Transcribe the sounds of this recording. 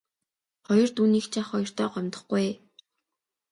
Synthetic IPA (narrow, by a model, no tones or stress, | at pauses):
χɔjɞ̆r̥t̪uːniːkt͡ɕʰaχɔjɞ̆r̥t̪œːɢɔmt̪ə̆χɡuj